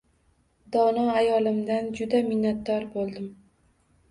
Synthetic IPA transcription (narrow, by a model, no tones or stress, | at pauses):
d̪ɒnɒajɒlɪmd̪and͡ʒʊd̪amɪnːat̪̚d̪ɒɾbolˠd̪ɪm